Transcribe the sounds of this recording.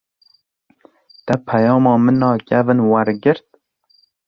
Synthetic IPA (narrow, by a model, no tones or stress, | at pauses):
t̪ɛpʰɛjɑːmɑːmɨnɑːkɛvɨnwæɾɡɨɾt̪̚